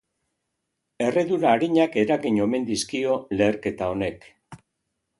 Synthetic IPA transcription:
e̞re̞ðuɾaːɾiɲake̞ɾaɣiɲo̞me̞nd̪iskio̞le̞ːɾke̞t̪ao̞ne̞k

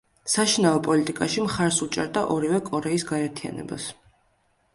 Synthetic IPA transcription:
saʃinaɔpʼɔlit̪ʼikʼaʃimχaɾsut͡ʃʼɛɾd̪aʔɔɾivɛkʼɔɾɛisɡaɛɾt̪ʰia̰nɛ̰ba̰s

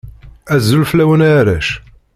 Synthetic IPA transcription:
æzːulflæwənæɾæʃ

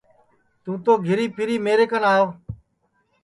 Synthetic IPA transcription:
t̪ũːt̪oːɡʱɪɾiːpʰɪɾiːmeːɾeːkənaːjoː

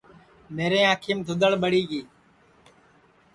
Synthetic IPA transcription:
meːɾẽːãːkʰiːmd̪ʱʊd̪əɭɓəɽiːɡiː

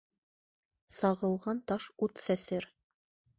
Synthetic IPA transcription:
sɑʁɤ̆lˠʁɑnt̪ɑʃut̪sæsɘɾ

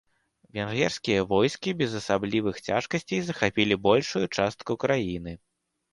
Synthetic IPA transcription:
vʲɛnɣʲɛrskʲijɐvɔjskʲibʲɛzɐsablʲivɨxt͡sʲaʂkɐsʲt͡sʲejzɐxapʲilʲibɔlʲʂujut͡ʂast̪kukɾajinɨ

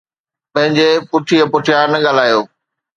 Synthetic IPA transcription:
pɐ̃ɦɪ̃ɲd͡ʑepʊʈʰiɐpʊʈʰjanɐɠaːl̤aːjoː

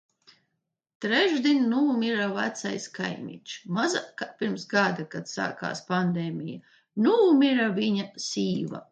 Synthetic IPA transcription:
t̪ɾɛʒd̪ʲinʲnuːmʲiɾava̰t̪sa̰jska̰jmʲḭt͡ʃmazakapʲiɾmsɡad̪akat̪sa̰ːka̰ːspand̪eːmʲija | nuːmʲiɾavʲiɲasiːva̰

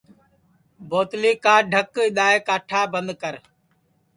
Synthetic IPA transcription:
boːt̪liːkaːɖʱəkɪɗ̪aːeːkaːʈʰaːbənd̪kəɾ

